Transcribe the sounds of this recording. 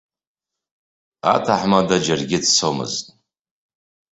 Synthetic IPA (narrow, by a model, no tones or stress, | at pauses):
a̰tʰaħmadad͡ʒarɡʲɪdt͡sʰomɨ̰ztʼ